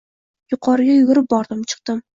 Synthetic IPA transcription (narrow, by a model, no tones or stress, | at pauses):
jʊqʰɒɾɪɡʲajʊɡʲʊɾɪp̚bɒɾd̪ɪmt͡ʃʰɨ̥q̚d̪̥ɪm